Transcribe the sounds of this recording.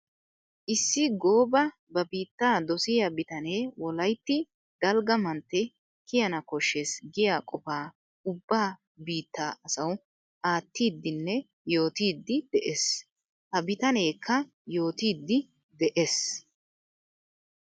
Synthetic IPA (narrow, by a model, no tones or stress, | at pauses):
ʔɪsːɪɡoːbɐ | bɐbiːt̪ːaːd̪ɔsɪjɐbɪt̪ɐne̞ːwɔlɐjt̪ːɪ | d̪̥ɐlɡɐmɐnt̪ːɛ | kɪjɐnɐkɔʃːesɡɪjaːkʼɔpaː | ʊbːaː | biːt̪ːaːʔɐsɐw | ʔaːt̪ːiːd̪ːɪnːɛ | jo̞ːt̪iːd̪ːɪd̪ɛʔes | hɐbɪt̪ɐne̞ːkʰːɐ | jo̞ːt̪iːd̪ːɪ | d̪ɛʔes